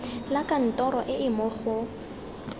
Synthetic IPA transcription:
lakʼan̩tʼɔɾɔʔɪɪmʊχʊ

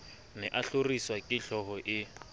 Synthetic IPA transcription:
nɛʔaɬoriswakʼɪɬɔɦɔʔɪ

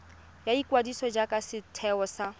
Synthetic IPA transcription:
jaikwadisɔd͡ʒakʼasɪtʰɛɔsa

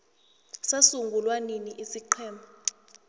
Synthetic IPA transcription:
sasuŋɡʱulwaniniʔisiǃʰɛːmbʱa

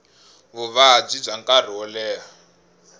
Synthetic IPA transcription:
βuβab͡ʐib͡ʐaŋkʼar̤ɔlɛːɦa

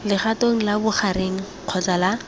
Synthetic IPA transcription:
lɪχatoŋ̩labʊχaɾeŋ̩ | q͡χʰɔt͡sala

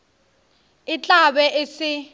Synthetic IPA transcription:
it͡ɬʼaɓɛʔesi

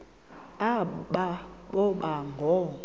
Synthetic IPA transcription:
aɓaɓɔɓaŋɡʱɔ

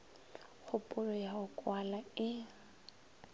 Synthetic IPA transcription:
χʊpʼʊlɔjaʊkʼwalaɪ

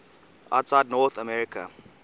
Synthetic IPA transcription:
ʔa̰tsaɪdnɔt̪əmɛɹikʰa̰

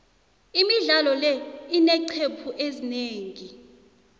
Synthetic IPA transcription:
imiɮalɔlɛinɛǀʰepʰuʔezineːŋi

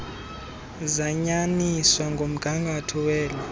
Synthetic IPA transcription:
zaɲaniswaŋɡʱom̩ɡ̥ʱaŋɡʱatʰɔwɛːla

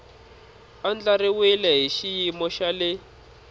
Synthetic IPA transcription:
and͡ɮaɾiwilɛɦiʃijimɔʃalɪ

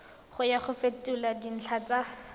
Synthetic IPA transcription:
χʊjaχʊfetʼuladin̩ɬʰat͡sa

